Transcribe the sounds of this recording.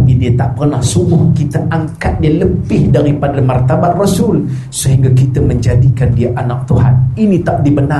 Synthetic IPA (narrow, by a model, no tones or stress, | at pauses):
idiat̪aʔpərnahsumʊhkit̪aʔaŋkat̪̚dialəpɪhdaɾipadamart̪abaʔ̪rɔsul | səɦiŋɡakit̪aməɲd͡ʒadikandiaʔanak̚t̪uɦa̰ninit̪aʔ̚dibəna